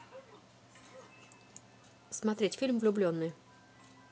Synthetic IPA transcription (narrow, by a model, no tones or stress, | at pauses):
smat̪ɾʲet͡ɕfʲilmvlʲublʲjɔnɘ